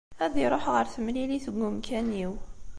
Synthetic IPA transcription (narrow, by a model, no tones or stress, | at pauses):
æðiɾˤoħʁəɾθəmliliθəɡːumkʰæniw